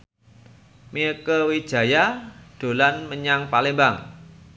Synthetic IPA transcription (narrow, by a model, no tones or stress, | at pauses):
miəkəwid̥ʒ̥a̤jad̥o̤lanməɲaŋpalembaŋ